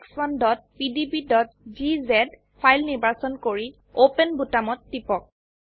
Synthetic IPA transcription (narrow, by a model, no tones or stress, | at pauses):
ksɔndɔt̚pidibidɔt̚ | zizɛd | pʰajlniɹbaɹsɔnkoɹi | opɛnbutamɔtːipɔk̚